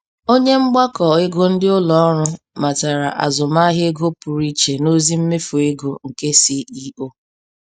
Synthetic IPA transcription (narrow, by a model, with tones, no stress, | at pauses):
o˦ɲe˦ŋ͡m̩˦ɡ͡ba˦kɔ˨ɪ˦ɡo˦n̩˦dɪ˦ʊ˦lɔ˦ɔ˦ɾʊ˦ | ma˨ta˨ɾa̰˨ʔa̰˨zʊ˨ma˦ɦɪ˦ɡo˦pʊ˨ɾi˦t͡ʃe˨no˦zi˦m̩˦me˦fo˨e˦ɡo˨ŋ̩˨ke˦si˦i˦o˦